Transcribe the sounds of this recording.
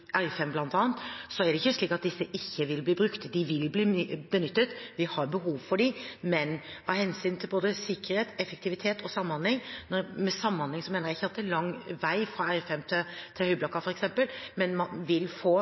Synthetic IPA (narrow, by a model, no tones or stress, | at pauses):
ʔæɾfɛmblɑnt̪ɑːənt̪sɔæɖɛɪçːəʂɭiːkɑt̪̚d̪ɪsːəʔɪçːəʋɪlbliːbɾʉkt̪d̪ɪʋɪlbliːbənʏt̪ːət̪ʋɪhɑɾbəhuːʋfɔɖɪmɛnhɑːhɛnsyːnt̪ʰɪlboːd̪əsɪkːəɾheːt̪ɛfək̚t̪ʰɪʋɪt̪ʰeːt̪ʰɔsɑmːɑnlɪŋnɔɾmɛsɑmːɑnlɪŋsɔmeːnəɾæɪçːəɑt̪ɛːlɑŋʋæɪfɾɑæɾfɛmt̪ʰɪt̪ʰɪlhœʏblɑkːɑfɔɾɛksɛmpəlmɛnmɑnʋɪlfoː